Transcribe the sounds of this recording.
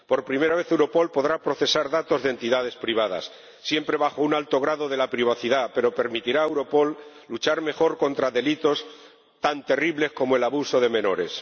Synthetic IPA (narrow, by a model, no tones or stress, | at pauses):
po̞ɾpɾime̞ɾaβe̞θewɾo̞po̞lpo̞ðɾapɾo̞θe̞saɾðat̪o̞zðe̞nt̪iðað̞e̞spɾiβ̞að̞a̰sː | je̞mpɾe̞βaxo̞unalt̪o̞ɣ̞ɾaðo̞ðe̞lapɾiβ̞aθiðape̞ɾo̞pe̞ɾmit̪iɾaewɾo̞po̞lː | ut͡ʃaɾme̞xo̞ɾko̞nt̪ɾaðe̞lit̪o̞s | t̪ant̪e̞riβle̞sko̞moe̞laβuso̞ð̞e̞mẽ̞no̞ɾe̞s